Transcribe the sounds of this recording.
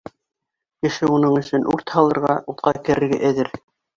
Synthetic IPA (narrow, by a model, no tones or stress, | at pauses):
kɘ̆ʃɘunɤɴɵ̆sɵnʔuɾt̪hɑlˠɤ̆ɾʁɑut̪qɑkɘ̆ɾɘ̆ɾɡæʔæðɘɾ